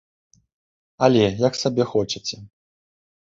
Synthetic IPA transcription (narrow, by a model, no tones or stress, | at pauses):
ɐlʲɛjaksabʲɛxɔt͡ʂɐt͡sʲɛ